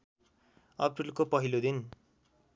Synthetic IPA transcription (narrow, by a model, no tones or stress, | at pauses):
ʌ̰prilkopʌɦilod̪in